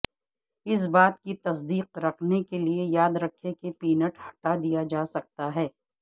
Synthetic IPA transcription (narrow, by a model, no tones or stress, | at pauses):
ɪs̬baːt̪kit̪ɐsd̪iːqɾɐkʰnekeliejaːd̪ɾɐkʰːekepiːnəʈhɐ̥ʈad̪ijad͡ʒaːsɐk̚t̪aɦɛː